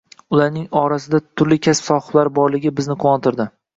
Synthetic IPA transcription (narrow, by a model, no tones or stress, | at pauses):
ʊlˠaɾnɪŋɒɾasɪd̪at̪ʰʊɾlɪkʲʰaspsɒχlaɾbɒɾlɪɡʲɪbɪznɪqʰoɒnt̪ʰɪɾd̪ɪ